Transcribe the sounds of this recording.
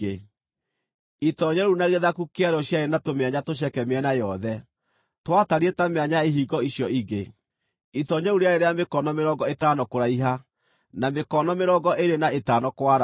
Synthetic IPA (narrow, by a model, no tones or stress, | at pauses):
e | itɔɲɛɾunaɣeðakukeaɾɔɕjaenatomeaɲatoɕ̬ɛkɛmeɛnajɔðɛ | twataɾiɛtameaɲaeɦiɡɔiɕjɔiɡe | itɔɲɛuɾeaeɾeamekɔnɔmeɾɔɡɔetaːnɔkoɾaiɦa | namekɔnɔmeɾɔɡɔʔeɾenaetaːnɔkwaɾa